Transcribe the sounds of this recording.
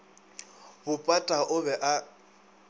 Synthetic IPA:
bʊpʼatʼaʔʊβɛʔa

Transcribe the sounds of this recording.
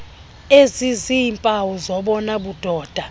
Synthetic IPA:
eziziimpʼawɔzɔɓɔnaɓud̥ʱɔːd̥ʱa

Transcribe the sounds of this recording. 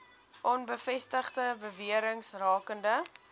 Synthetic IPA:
ʔɔnbəfɛstəχdəbəviəɾəŋsrɑːkəndə

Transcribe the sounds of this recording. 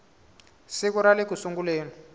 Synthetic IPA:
sik̬uɾalekusuŋɡuleːni

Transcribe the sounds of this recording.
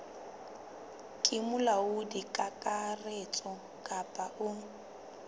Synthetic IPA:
kʼɪmʊlaʊdikʼakʼaret͡sʼɔ | kʼapʼaʔʊ

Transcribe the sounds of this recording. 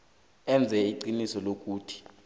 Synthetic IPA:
ɛnd͡zʱɛiǃinisɔlok̬ʼuːtʰi̥

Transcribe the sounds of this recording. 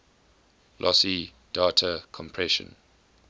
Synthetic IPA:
lʔɔsi | d̥aːtʰəkʰɔ̃mpʰɹɛʃə̰̃n

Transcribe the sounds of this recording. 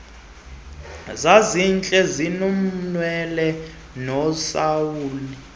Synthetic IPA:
zazint͡ɬʼɛzinum̩nwɛlɛ | nɔsawuːli

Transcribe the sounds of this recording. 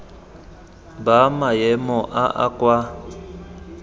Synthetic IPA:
bamajɛmɔʔaʔa̰kʼwa

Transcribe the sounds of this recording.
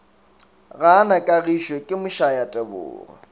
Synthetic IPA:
ɣanakʼaɣiʃwekʼɪmʊʃajatʼɛbʊ̰ːrɔ̰

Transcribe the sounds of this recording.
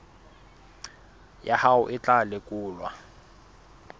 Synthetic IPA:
jahaʊʔɪt͡ɬʼalɪkʼuːlwa̰

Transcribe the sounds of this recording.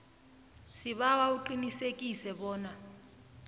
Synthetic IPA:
siɓawauǃinisekʼisɛɓɔːna

